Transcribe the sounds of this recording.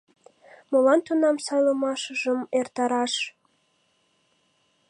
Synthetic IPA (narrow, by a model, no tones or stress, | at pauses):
molɑnt̪unɑmsɑjləmɑʃəʒəmert̪ɑɾɑʃ